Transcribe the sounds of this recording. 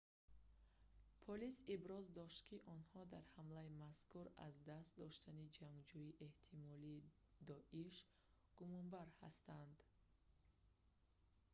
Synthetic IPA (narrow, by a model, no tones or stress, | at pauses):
pʰɔlisibɾɔzd̪ɔʃt̪kʰiʔɔnhɔd̪aɾhamlaimaskuɾa̰zd̪ast̪̚d̪ɔʃt̪anid͡ʒaŋɡd͡ʒuiʔe̞ht̪ʰimɔli | d̪ɔʔiʃ | ɡ̥umɔmbaɾha̰st̪and̪